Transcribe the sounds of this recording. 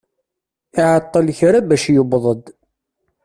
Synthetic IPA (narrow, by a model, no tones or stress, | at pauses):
ɪʕət̪ˤːəlçɾabæʃjʊbðˤəd̪